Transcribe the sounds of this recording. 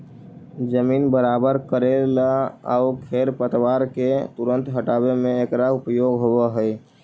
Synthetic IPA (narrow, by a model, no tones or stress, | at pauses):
d͡ʒəmiːnbəɾaːbəɾkəɾelaə̰ʊkʰeːɾpət̪waːɾket̪ʊɾə̃nt̪ɦəʈaːbemẽekɾaʊpjoːɡɦowaɦɛ